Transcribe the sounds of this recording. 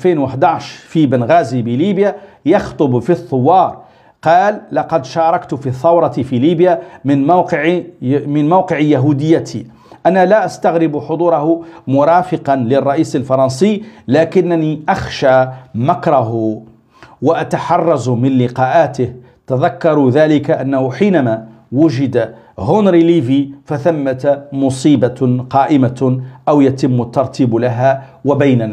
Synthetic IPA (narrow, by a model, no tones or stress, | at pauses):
finwəħd̪aʕʃfibənɣæːzibiliːbja | jɑxt̪ˤʊbfiθˤːowːɑːɾˤ | qɑːlːɑqɑd̪ʃɑːɾˤɑkt̪fiθːɑwɾˤɑt̪ifiliːbjamɪnmawqʕmɪnmawqəʕjaɦud̪ɪjːat̪ʰḭ | ʔænalaʔast̪aɣɾɪbuħod̪ˤuːɾˤɑhʊmʊɾˤɑːfəqɑnlɪrˤːɑʔiːsəlfɑɾˤɑnsəlaːkɪnːaniʔɑxʃamakɾˤɑɦʊ | waʔat̪aħɑrˤːɑzmɪnlɪqɑːʔaːt̪ɪh | t̪aðakːɑɾˤuðaːlɪkaʔanːahʊħiːnamaː | wʊʒɪd̪a | ɦʊnɾiliːvifaθamːat̪mʊsˤiːbaqɑːʔɪmaʔawjat̪ɪmːʊt̪ːɑɾˤt̪ʰiːblaɦa | wabajnan